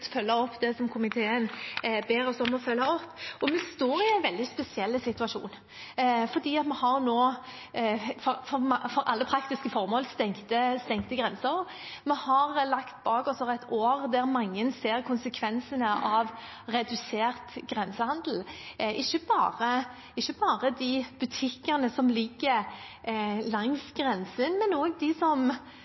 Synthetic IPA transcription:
t̪fœlːəɔpːd̪ɛsɔmkʰʊmɪt̪ʰeːənbeːɾɔsɔmɔfœlːəɔpːɔmɛst̪oːʁɪɛɪnʋɛld̪ɪspɛsɪɛlːəsɪt̪ʉɑʂṵːn | fɔd̪iːɑt̪mɛhɑʁnoː | fɔɾfɔɾmfɔɾʔɑ̰lːəpʰɾɑkt̪ɪskəfɔʁmoːlst̪ɛŋt̪əst̪ɛŋkt̪əɡɾɛnsəɾ | mɛhɑʁlɑkt̪bɑːkɔsɔʁɛɪt̪ʰoːʁd̪æʁmɑŋːənseːʁkʰʊnsəkʰʋɛnsənəʔɑʋ | ʁɛd̪ʉseːʁt̪ɡʁɛnsəhɑnd̪l̩ʔɪçːəbɑ̰ːʁə | ɪʃːəbɑːʁəd̪ɪb̥ʉt̪ʰɪkːənəsɔmlɪɡə | lɑŋsɡʁɛnsənmɛnoːɡd̪ɪsɔm

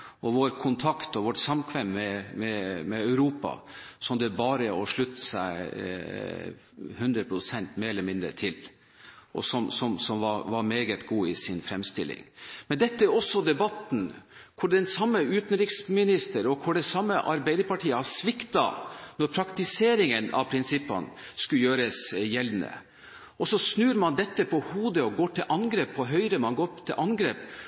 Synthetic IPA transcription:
ɔʋoːɾkʰʊnt̪ʰɑkt̪ɔʋɔʈsɑmkʰʋɛmːɛmɛmɛœʉɾuːpɑ̰sɔmd̪ɛbɑːɾəɔʂɭʉt̪ːə̥sæ̰ɪ | hʉnd̪ɾəpʰɾʊsɛnt̪meːɾɛləmɪnd̪ɾə̰t̪ʰɪl | ʔɔ̰sɔmsɔmsɔmʋɑʋɑɾmeːɡət̪ɡuːɪsɪnfɾɛmst̪ɪlːɪ̰ŋmɛnd̪ɛt̪ːəæɾɔsːɔd̪ɛbɑt̪n̩kʰʊɖɛnsɑmːəʉːt̪n̩ɾɪksmɪnɪst̪əɾɔkʰʊɖɛsɑmːəʔɑɾbæɪd̪əɾpɑʈʰiːəhɑsʋɪkt̪ɑ̰nɔɾpʰɾɑkt̪ɪseːɾɪŋənɑ̰ʋpʰɾɪnsɪpːɑ̰nskʉljøːɾəsjɛlʋnə̰ | ʔɔsɔsnʉːɾmɑnd̪ɛt̪ːəpʰɔhuːd̪əɔɡoːʈʰɪlʔɑnɡɾeːpʰːɔɦœʏɾəmɑnɡoːɾpt̪ʰɪlʔɑnɡɾeːp

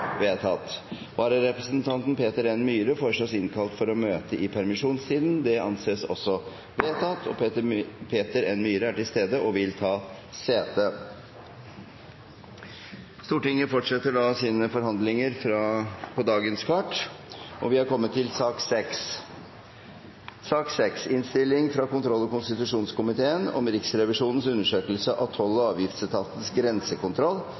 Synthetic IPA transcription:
ʋeːt̪ʰɑt̪ | ʋɑːɾəɾɛpɾəsənt̪ʰɑnt̪npʰeːt̪əɾɛnmyːɾəfɔʂɔsɪnkʰɑlt̪fɔɾɔmøːt̪əʔɪpʰæɾmɪʂuːnst̪iːd̪nd̪ɛɑ̰nseːsɔ̰sːɔ | ʋeːt̪ʰɑːt̪ʰɔ̰ | pʰeːt̪əɾɛnmyːɾəæʈɪlst̪eːd̪əʔɔʋɪlt̪ʰɑː | seːt̪ə | st̪uːʈɪŋːəfɔʈʂɛt̪ːəɖɑːsiːnəfɔɾɦɑnd̪lɪŋəɾfɾɑpʰɔd̪ɑːɡənskʰɑʈːʔɔʋɪhɑɾkɔmːət̪ʰːɪlsɑːksɛks | sɑːksɛksɪnst̪ɪlːɪŋfɾɑkʊnt̪ʰɾɔlːɔkʊnst̪ɪt̪ʉʂuːnskʊmɪt̪ʰeːənɔ̰mɾɪksɾɛʋɪʂuːnən̩sʉnːəʂøːkəlsəʔɑ̰ʋt̪ʰɔlːəɑːʋjɪft̪st̪ʰɑːt̪ən̩sɡɾɛnsəkʊnt̪ʰɾɔlː

